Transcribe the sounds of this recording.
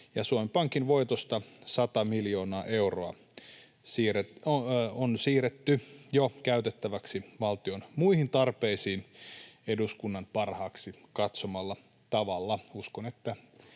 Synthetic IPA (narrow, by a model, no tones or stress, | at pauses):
jɑsuomepɑŋkinʋo̞jt̪ost̪ɑsɑt̪ɑmiljo̞ːnɑːʔe̞uroɑ | sire | onsiːret̪ːyjokæyt̪et̪ːæʋæksiʋɑlt̪io̞nmuihint̪ɑrpeisiːne̞duskunːɑnpɑrhɑːksikɑt̪somɑlːɑ | t̪ɑʋɑlːɑuskonet̪ːæ